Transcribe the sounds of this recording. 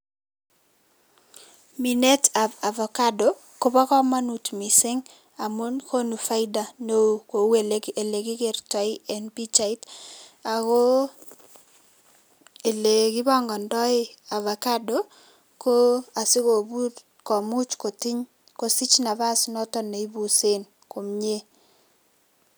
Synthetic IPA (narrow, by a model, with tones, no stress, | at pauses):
mi˨ne˦ta˨a˨vɔ˨ka˦do˨ | ko˦ba˦kɔ˦ma˦nu˨tmi˨sɪ˦ŋ | a˨mo˦nkʰo˦nu˨fa˦ɪda˨no˦ko˨we˨leke˨le˨kɪ˦ke˨ɾta˨ɪ˦ɛnpi˦t͡ʃa˨i˦ta˨ko˦ | e˨le˨kɪ˦βɔ˦ŋɡɔ˨ndɔ˦ɪ˦a˨va˨ka˦do | ko˦a˨sɪ˦ko˨bu˦ | kɔ˨mu˦t͡ʃko˨ti˦ɲ | ko˨si˦t͡ʃna˨βa˦snɔ˦tɔ˦ne˨i˦bu˨se˦n | ko˨mɲe˦